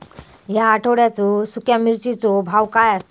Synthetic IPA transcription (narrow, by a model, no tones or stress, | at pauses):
ɦjaːʈʰoɽjat͡sɔsukʰjamiɾt͡ɕit͡sɔbʱawkajas